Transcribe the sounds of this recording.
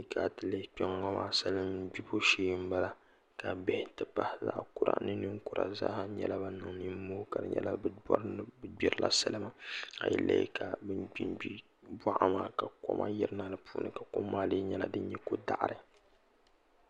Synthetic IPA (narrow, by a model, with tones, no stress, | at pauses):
ka˨tɨ˨le˦pɛ˦ŋːɔ˦mʔaː˦sa˦lɨ˦mbi˦bo˦ʃeː˦m̩˦ba˦la˨ | ka˨bɛ˦hɪ˦tɨ˦pa˦hza̰˦˨ʔku˦ɾa̰˨nɨ˦nɨ˦ŋku˦ɾa̰˨za̰˦ha˦ɲɛ̰˦la˦ba˦nɨ˨ŋni˦moː˦ka˨dɨ̰˨ɲɛ̰˦la˦bɨ˦bɔ̰˦ɾbɨ˦bi˦ɾɨ˦lʔa̰˦sa˦lɨ˦ma˦a̰˨jɛ̰˦lːa̰˦j̰ka˨bɨ˦mbi˦bi˦ | ba˦ʔa˦maː˦ka˨ko̰˦mʔa˦jɪ˦ɾna˨lɨ˨puː˨˦nɨ˦ka˨ko˦mːaː˦lɨ˦ɲɛ˦la̰˨dɨ˦ɲ˦ɲɛ˦ko˦da˦˨ʔɾɨ˨